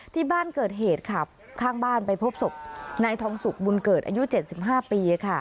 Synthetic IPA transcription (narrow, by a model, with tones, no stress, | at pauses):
t̪ʰiː˥˩baː˥˩nkɤː˨˩t̪̚ɦeː˨˩t̪̚kʰa˥˩ | kʰaː˥˩ŋbaː˥˩npa˧jpʰo˦˥p̚so˨˩p̚na˧jt̪ʰɔː˧˦˥ŋsu˨˩k̚bu˧nkɤː˨˩t̪̚ʔa̰ː˧ju˦˥t͡ɕe˨˩t̪̚si˨˩p̚ɦaː˥˩piː˧a˧kʰa˥˩